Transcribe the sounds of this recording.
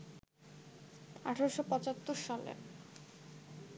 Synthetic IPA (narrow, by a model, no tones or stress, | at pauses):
a̰ʈʰaɾoʃopɔt͡ɕat̪ːoɾʃalḛɾ